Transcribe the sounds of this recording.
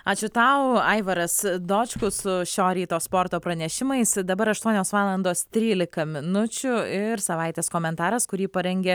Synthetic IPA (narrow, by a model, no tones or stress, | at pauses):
ɑːt͡ʃʲʊt̪ɐʊɐɪʋɐɾɐsd̪oːt͡ʃkʊsʊʃʲoːɾʲiːt̪oːspoːɾt̪oːpɾɐnʲɛʃʲɪmɐɪsd̪ɐbɐɾɐʃt̪uɔnʲoːsʋɑːlˠɐnd̪oːst̪ʲɾʲiːlʲɪkɐmʲɪnʊt͡ʃʲʊɪɾsɐʋɐɪt̪ʲeːskoːmʲɛnt̪ɑːɾɐskʊɾʲiːpɐɾʲɛŋʲɡʲe